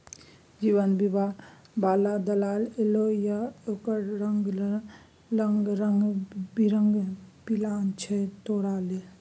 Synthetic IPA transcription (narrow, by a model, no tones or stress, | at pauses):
d͡ʒiːʋənbiba | baːlad̪əlaːlelojaoːkəɾɾəŋɡ | ləŋɡɾəŋɡbiɾəŋɡpilaːnt͡ʃʰɛt̪oːɽaːle